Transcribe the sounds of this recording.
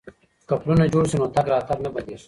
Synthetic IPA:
kɐpɾuned͡ʑuɽsinoːt̪ɐɡɾaːt̪ɐɾmebɐd̪is

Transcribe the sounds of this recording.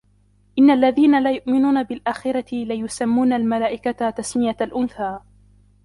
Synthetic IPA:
ʔɪnːaʔlːaðiːnalaːjʊʔmɪnuːnabɪlʔaːxɪɾˤɑt̪ɪlɪjʊsamːuːnalmalaːʔɪkat̪asmɪjalʔʊnθaː

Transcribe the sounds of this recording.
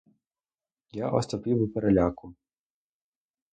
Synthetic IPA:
jaʔɔst̪ɔpiwɪpeɾelʲakʊ

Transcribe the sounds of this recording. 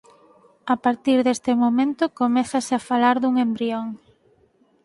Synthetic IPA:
apaɾt̪iɾðest̪emomẽnt̪okomeθaseafalaɾðuŋembɾioŋ

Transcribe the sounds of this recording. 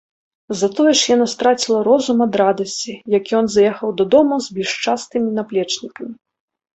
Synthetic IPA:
zɐt̪ɔjɛʂjanast̪ɾat͡sʲilˠɐɾɔzumɐd̪ɾad̪ɐsʲt͡sʲijakʲjɔnzjɛxɐwd̪ɐd̪ɔmuzbʲɛlʲʂt͡ʂast̪ɨmʲinaplʲɛt͡ʂnʲikɐmʲi

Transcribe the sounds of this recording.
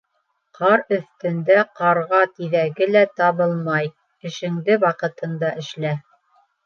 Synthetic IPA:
qʰɑɾɵ̆θt̪ɘ̆nd̪æqɑɾʁɑt̪iðæɡɘlæt̪ɑβɤlˠmɑj | ɘ̆ʃɘ̆ŋd̪ɘwɑqɤ̆t̪ɤ̆nd̪ɑʔɘ̆ʃlæ

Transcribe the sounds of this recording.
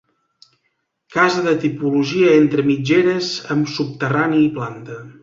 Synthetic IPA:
kazəðət̪ipuluʒiəent̪ɾəmid͡ʒeɾəzəmsup̚t̪əraniːplant̪ə

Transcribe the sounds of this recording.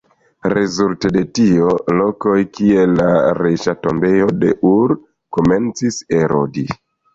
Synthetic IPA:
ɾezultede̞tio̞lo̞ko̞jkie̞lːaɾeʃato̞mbe̞jo̞de̞̰ʔuɾ | kome̞nt͡siseɾo̰di

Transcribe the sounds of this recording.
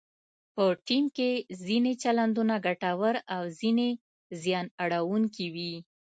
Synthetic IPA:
pəʈimkezinet͡ʃaland̪unaɡaʈawəɾawzine | zjɑnaɽawuŋkiwi

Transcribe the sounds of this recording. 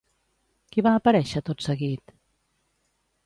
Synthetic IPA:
kiβaːpəɾɛʃət̪ot̪səɣit̪

